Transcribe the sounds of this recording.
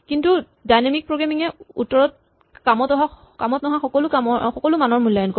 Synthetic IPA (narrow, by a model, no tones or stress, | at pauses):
kintu | dajnamik̚pɹoɡɹamiŋɛṵtːɔɹɔt̚ | kamɔtɔɦa | kamɔtnɔɦaxɔkɔlʊkamɔxɔkɔlʊmanɔɹmulːajɔnkɔ